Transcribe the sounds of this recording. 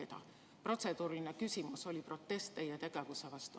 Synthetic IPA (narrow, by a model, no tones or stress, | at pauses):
et̪ɑ̰ | pro̞t̪se̞d̪̥uːɾilinekysimuso̞lʲipro̞t̪ːe̞st̪ːejet̪e̞ɡ̥evusevɑst̪u